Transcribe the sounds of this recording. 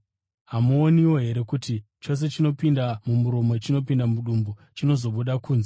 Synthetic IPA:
ɦamuoniwo̞ɦe̞ɾe̞kuti | t͡ʃo̞s̬e̞t͡ʃino̞pindamumuɾo̞mo̞t͡ʃino̞p̬indamuɗumbut͡ʃino̞zo̞ɓuɗakuːnze

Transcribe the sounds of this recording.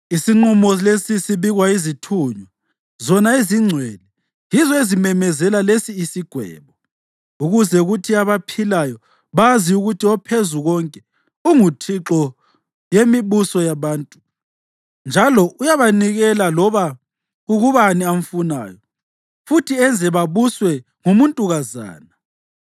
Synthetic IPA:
isiŋ͡ǃumɔlesisiβiɣwaizitʰuːɲwa | zɔnaiziŋ͡ǀʱwɛlɛ | jizɔezimɛmɛzɛlalesiːsiɡ̥ʱwɛ̰ːβɔ | uɣuzɛuɣutʰiaβapʰilajɔ | βaziuɣutʰiɔpʰezuɣɔŋkʼɛ | uŋutʰiǁɔ | jemiβusɔjaβaːntʼu | nd͡ʒʱalɔʔujaβaniɣɛlalɔβa | ɣuɣuβaniaɱ̩funa̰ːjɔ | futʰiɛnd͡zʱɛβaβuswɛ | ŋumuntʼuɣaza̰ːna

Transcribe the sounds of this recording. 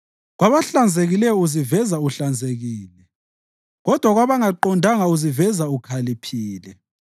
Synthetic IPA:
ɣwaβaɬand͡zʱeɣilɛjɔuzivɛzauɬand͡zʱeɣiːlɛ | ɣɔd̥ʱwaɣwaβaŋaǃɔndʱaŋauzivɛzaukʰalipʰiːlɛ

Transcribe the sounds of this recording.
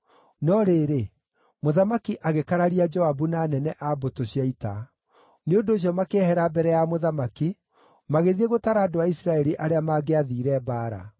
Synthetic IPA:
nɔɾeɾe | moðamakiʔaɣekaɾaɾiad͡ʒɔabunaːnɛnɛʔabotoɕiaita | neondoːɕ̬jɔmakehɛɾabɛɾɛjamoðamaki | maɣeðieɣotaɾaːdoaisɾaɛɾiʔaɾeamaɡeaðiːɾɛbaːɾa̰

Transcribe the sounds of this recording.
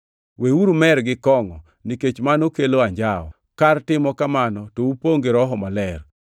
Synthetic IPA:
weuɾumɛɾɡɪkɔŋɔ | niket͡ʃmanokeloaɲd͡ʒaɔ̰ | kartɪmɔkamanɔtoupoŋɡeɾɔɦɔmalɛr

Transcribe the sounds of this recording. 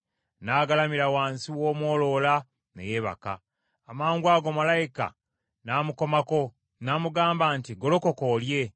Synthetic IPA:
naːɡalamiɾawaːnsiwo̞ːmwo̞ːlo̞la | nḛje̞ːβa̰ka̰ | amaːŋɡwaːɡo̞malajika̰ | naːmuko̞mako̞ | naːmuɡaːmbaːntiɡo̞lo̞ko̞koːlje̞

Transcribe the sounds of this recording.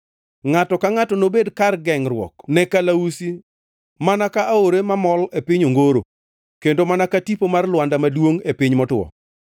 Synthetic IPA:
ŋatɔkaŋatɔnobedkarɡɛŋrwɔ̰knɛkalausi | manakaʔaoɾemamɔlepɪɲoŋɡoɾo | kendomanakatipomarlwandamadwoŋepɪɲmɔtʊɔ̰

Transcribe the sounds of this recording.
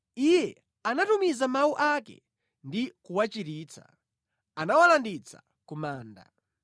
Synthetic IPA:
ijɛ | anatumizamawuʔakɛ̰ | ndikuwat͡ʃiɾiːt͡sa̰ | anawalandit͡sa̰ | kumaːnda̰

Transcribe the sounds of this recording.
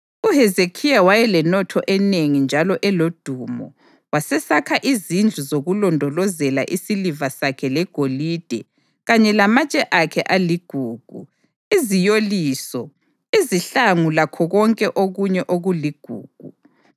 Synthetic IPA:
uɦɛzekʰijawajɛlɛnɔtʰɔʔɛneŋind͡ʒʱalɔʔɛlod̥ʱumɔ̰ | wasɛsakʰaʔizind͡ɮʱuzoɣulɔndʱɔlɔzɛla̰ʔisilivasakʰɛlɛɡ̥ʱolid̥ʱɛ | ɣaɲɛlamat͡ʃʼɛʔakʰɛʔaliɡ̥ʱuːɡ̥ʱu | izijoliːsɔ | iziɬaŋulakʰɔɣɔŋkʼɛʔoɣuɲɛʔoɣuliɡ̥ʱṵːɡ̥ʱu

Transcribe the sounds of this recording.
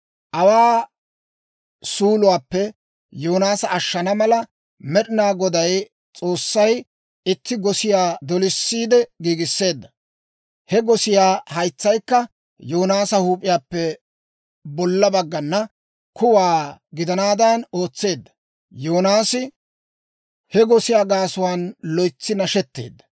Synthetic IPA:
ʔɐwaː | suːlʊwaːpːɛ | joːnaːsɐːʃːɐnɐmɐlɐ | mɛɗɪnaːɡɔd̪ɐj | t͡sʼo̞ːsːɐj | ɪt̪ːɪɡɔsɪjaːd̪ɔlɪsːiːd̪ɛɡiːɡɪsːe̞ːd̪ːɐ | hɛɡɔsɪjaːhɐjt͡sːɐjkːɐ | joːnaːsɐhuːpʼɪjaːpːɛ | bɔlːɐbɐɡːɐnːɐ | kʊwaːɡɪd̪ɐnaːd̪ɐnoːt͡sːe̞ːd̪ːɐ̥ | joːnaːsɪ | hɛɡɔsɪjaːɡaːsʊwaːnlɔjt͡sːɪnɐʃɛt̪ːe̞̰ːd̪ːɐ̥

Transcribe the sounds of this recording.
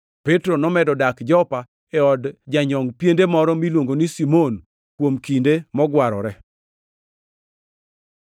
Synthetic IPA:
pɛtɾonɔmɛdɔdakd͡ʒɔpa | ɛɔdd͡ʒaɲɔŋpjendemɔɾɔmilwoŋɡonisimon | kwomkindemɔɡwaɾɔ̰ɾɛ

